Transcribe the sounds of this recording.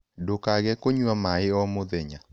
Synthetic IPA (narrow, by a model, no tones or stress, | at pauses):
dokaɣɛkoɲwamaeɔmoðɛɲa